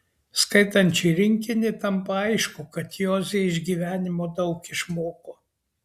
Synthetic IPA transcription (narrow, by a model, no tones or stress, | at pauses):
skɐɪt̪ɐnʲt͡ʃʲɛɪɾʲɪŋʲkʲɪnʲɪt̪ɐmpɐɐɪʃkʊkɐt̪joːzʲeːɪʒʲɡʲiːʋʲæːnʲɪmoːd̪ɐʊkɪʃmoːkoː